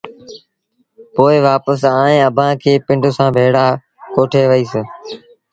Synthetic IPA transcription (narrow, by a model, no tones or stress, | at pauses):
poːɪʋaːpəsaːẽːəbʱãːkʰeːpɪ̃ɳɖsãːbʱeːɽaː | koːʈʰeːʋəiːs